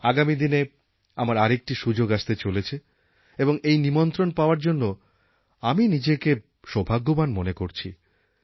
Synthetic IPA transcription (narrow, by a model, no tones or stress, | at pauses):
aɡamid̪ine | amaɾaɾek̚ʈiʃud͡ʑoɡaʃt̪et͡ɕolet͡ɕʰe | eboŋejnimont̪ɾonpaoaɾd͡ʑonːo | aminid͡ʑeke | ʃobʱaɡːomanmonekoɾt͡ɕʰi